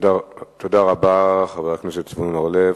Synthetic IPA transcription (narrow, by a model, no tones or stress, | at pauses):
dat̪od̪aʁabaχaveʁaknesetsvunnoʁlev